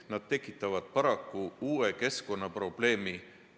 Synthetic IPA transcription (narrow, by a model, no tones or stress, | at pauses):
nɑd̪̥̚t̪e̞kːˑit̪ːˑɑvɑd̪̥̚pɑɾɑkːˑuuːe̞ke̞sko̞nːɑpro̞b̥le̞ːmi